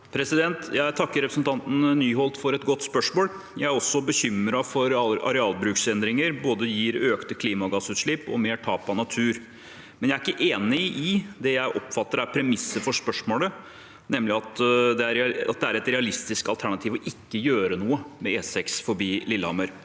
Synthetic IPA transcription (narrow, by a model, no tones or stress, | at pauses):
pʰɾɛsɪd̪ɛnt̪jæɪt̪ʰɑkːəɾɛpɾəsnt̪ʰɑnt̪n̩nyːɦɔlt̪fɔɾɛt̪ɡɔt̪ːspœʂmoːl | jæɪæɾɔsːɔbəçʏmːɾɑfɔɾɑ̰ɾɛɑːlbɾʉːksɛnd̪ɾɪŋəɾboːd̪əjiːɾøːkt̪əkʰliːmɑɡɑsʉːt̪ʂɭɪpɔ̰meːʈʰɑːpɑnɑt̪ʰʉːɾ | mɛnjæɪæɾɪkːəʔeːnɪʔɪd̪ɛjæɪʔɔpfɑt̪ːəɾæɾpʰɾɛmɪsːəfɔʂpœʂmoːlə | nɛmːlɪɑt̪d̪ɛæɾɛɑ̰t̪̚d̪ɛæɾɛt̪ɾɛɑlɪst̪ɪskɑlt̪ʰæɳɑt̪ʰiːʋɔʔɪkːəjøːɾənuːəmɛeːsɛksfɔɾbiːlɪlːəhɑməɾ